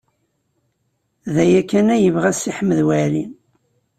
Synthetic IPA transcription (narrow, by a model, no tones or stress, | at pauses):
ðæjækːænæjəvʁæsiħməðwælin